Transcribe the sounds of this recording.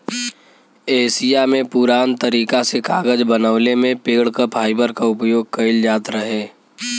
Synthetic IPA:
eːsijamẽpʊɾaːnt̪əɾiːkasekaːɡəd͡ʒbənəʋlemẽpeːɽ̤kəpʰaːɪbəɾkaʊpjoːɡ̚kɐɪld͡ʒaːt̪ɾəɦeː

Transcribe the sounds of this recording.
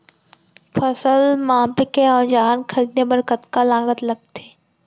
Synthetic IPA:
pʰəsəlmãːpɪkẽɔːɾd͡ʒaːnkʰɐɾiːd̪nebəɾkət̪kalaːɡət̪lɐɡ̚t̪eː

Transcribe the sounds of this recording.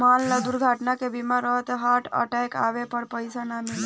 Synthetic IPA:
malled̪uɾɡʱaʈnakebimaɾəɦt̪ɦaʈʰə̰ʈajka̰bepəɾpəjsanamil

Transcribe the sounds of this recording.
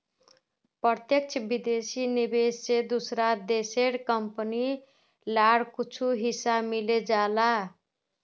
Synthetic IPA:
prʌt̪jʌkt͡sʰʌbid̪esinibessed̪usɾad̪eseɽkʌmpəni | laɽkut͡sʰuɦisamiled͡zala

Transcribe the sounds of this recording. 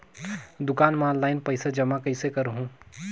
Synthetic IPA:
d̪ʊkaːnmãllːaːɪnpəɪsad͡ʒɐmakɐɪsekəɾɦũː

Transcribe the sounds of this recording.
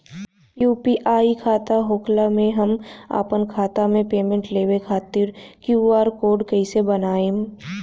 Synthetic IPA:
juːpiʔaːikʰaːt̪aɦoːklamẽɦɐma̰ːpənkʰaːt̪amẽpeːmẽɳʈleːʋekʰaːt̪iːɾkjuaːɾkoːɾɖkɐisebɐnaːẽː

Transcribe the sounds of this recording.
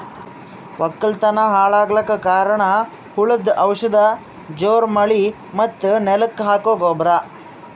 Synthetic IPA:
ʋʔɐkːɐlt̪ɐnɐɦaːɭaːɡɭɐkːɐkaːɾɐɳɐ | huɭɐd̪ɐwʂɐd̪ɐ | d͡ʒoːɾmɐɭi | mɐt̪ːunɛlɐkːɦaːkoːɡoːbɾa

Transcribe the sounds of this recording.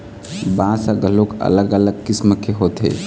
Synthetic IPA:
bãsəɡəlokə̰ləɡələɡkisməkʰeɦoːt̪ɦḛ

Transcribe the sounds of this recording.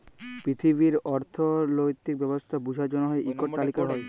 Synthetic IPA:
pɾit̪ʰiβiɾɔɾt̪ʰolojt̪ːik̚bɛbost̪ʰabud͡ʑʱad͡ʑonoɦɔeʔikːoɾt̪alikaɦɔe

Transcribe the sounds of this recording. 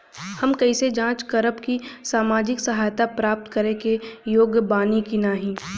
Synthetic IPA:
hɐmkɐised͡ʒãːt͡ʃkɐɾəpkisaːmaːd͡ʒɪksɐɦaːjt̪apɾaːp̚t̪kəɾekejoːɡbaːnikinaːɦĩː

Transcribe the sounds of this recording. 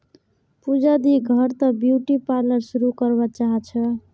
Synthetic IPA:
pud͡ʒad̪iɡʱʌɾt̪ʌbjuʈipalʌɾsuɾukʌɾbat͡ʃaɦt͡ʃʰʌ

